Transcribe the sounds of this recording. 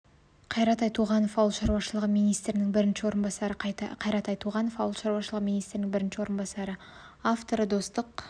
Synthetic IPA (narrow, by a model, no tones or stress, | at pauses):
qʰɑjɾɑt̪ɑjt̪ʰuʁɑnofɑwlˠʃɑɾwɑʃəlˠəʁəmijnijst̪ɾɪnɪŋbɪɾɪnʃɪwo̞ɾənbɑsɑɾəqʰɑjɾɑt̪ɑjt̪ʰuʁɑno̞fɑwəlˠʃɑɾwɑʃəlˠəʁəmijnijst̪ɾɪnɪŋbɪɾɪnʃɪwo̞ɾənbɑsɑɾə | aft̪o̞ɾəd̪o̞st̪əq